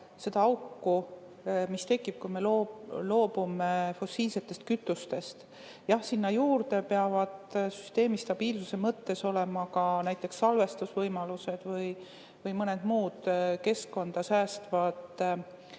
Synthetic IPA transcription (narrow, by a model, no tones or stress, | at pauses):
se̞d̪ɑɑwkːu | mist̪e̞kːˑib̥̚kujme̞lolo̞ːb̥ume̞fo̞siːlse̞t̪ːˑe̞st̪kyt̪ːˑust̪e̞st̪ | jɑhsinːɑjuːɾd̪e̞pe̞ɑvɑd̪̥sy̥st̪e̞ːmist̪ɑb̥iːlsuse̞mɤt̪ːe̞so̞le̞mɑkɑnæjt̪ːˑe̞ksːɑlve̞st̪usvɤjmɑluse̞d̪̥vɯj | vɯjmɤned̪̥muːd̪̥ke̞skko̞nd̪̥ɑsæːst̪vɑd̪̥